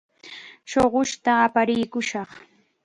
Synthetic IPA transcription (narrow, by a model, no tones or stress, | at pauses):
ʃoɢʊʃt̪aːpaɾɪjkʊʃɑχ